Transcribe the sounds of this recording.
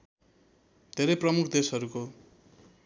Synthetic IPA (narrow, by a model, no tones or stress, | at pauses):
d̪ʱeɾʌjprʌmukʰd̪esɦʌɾuko